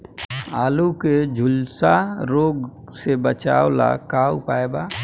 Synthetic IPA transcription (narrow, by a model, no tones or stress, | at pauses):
aːluked͡ʒʱʊlsaɾoːɡsebət͡ʃa̰ːola̰kaʊpaːeba